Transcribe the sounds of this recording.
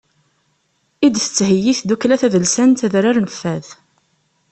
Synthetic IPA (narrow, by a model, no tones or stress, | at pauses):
id̪θə̥t͡sːhəjːiθd̪uklæθæðəlsænt̪æðɾaɾnəfːæð